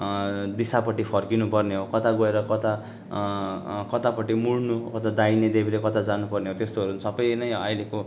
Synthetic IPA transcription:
d̪isapʌʈipʰʌrkinupʌrneɦokʌt̪ʰaɡʌeɾʌkʌt̪a | kʌt̪apʌʈimuɽnukʌt̪ad̪ained̪ebilekʌt̪ʰad͡zanupʌrneɦot̪est̪oɦʌɾusʌbʌjnʌjʌjleko

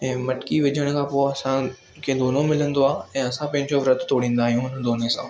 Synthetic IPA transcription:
ɛ̃ːmɐʈkiʋɪd͡ʑʱəɽ̃kʰãːpoːɐsã | kʰeːd̪oːnomɪlə̃nd̪oaːɛ̃ːɐsãpɐ̃ɦɪ̃ɲd͡ʑoʋɾət̪ʰt̪oːɽ̤ĩːnd̪aːɦijũʊnəd̪oːnesãː

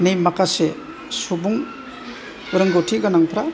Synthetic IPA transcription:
nijmakase | subuŋ | uɾɯŋɡowtʰiɡanaŋpʰɾa

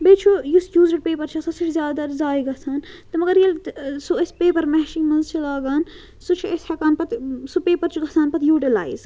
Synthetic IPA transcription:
beːt͡ʃʰojusjuːzɐʈ̚peːpɐɾt͡ʃʰɐsɐsut͡ʃʰzjaːd̪ɐɾzaːjiɡɐsʰaːnt̪ɐmɐɡɐɾjɐlsuɐsʲpeːpɐɾmɛːʃinmɐnzt͡ʃʰilaːɡaːn | sut͡ʃʰiɐshɐkaːnpɐt̪supeːpɐɾt͡ʃʰuɡɐsʰaːnpɐt̪juːʈ̬ilaːiz

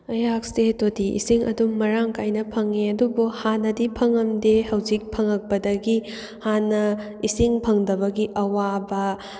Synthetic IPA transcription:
ɐjak̚stetodiḭsiŋʔɐ̰dumːɐɾaŋkajnɐpʰɐŋːeɐdubuhanɐdipʰɐŋɐmdehɐwzik̚pʰɐŋɐk̚pɐdɐɡi | hanːɐ | isiŋpʰɐŋdɐbɐɡiʔɐwabɐ

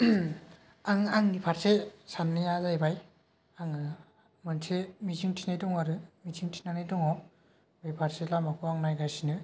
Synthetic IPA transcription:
aŋaŋnipʰaɾsesanːɯjazajbaj | aŋɯ | mɯnsʰemiziŋtʰinajdɔŋaɾɯmiziŋtʰinanajdɔŋɔ | mipʰaɾselamakʰuaŋnajɡajsinɯ

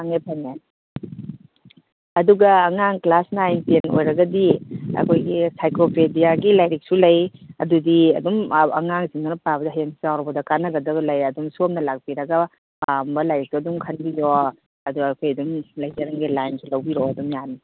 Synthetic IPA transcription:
aŋepʰɐne | ɐduɡɐːŋaŋklasnajnteno̰jɾɐɡɐdiɐ̰kʰojɡisajkopʰedijaɡilajɾik̚sulɐjɐ̰dudiɐ̰dumɐ̰ŋaŋziŋnanɐpabɐdɐɦajeŋsizawɾɐbɐdɐkanɐɡɐdɐβɐlɐjɐdumsuomnɐlak̚biɾɐɡɐ | pambɐlajɾik̚tuɐdumkʰɐnbiɾɔ | ɐduɡːkʰojɐdumlɐjzɐɾɐŋɡilajnsʰilɐwbiɾɔɐdumjani

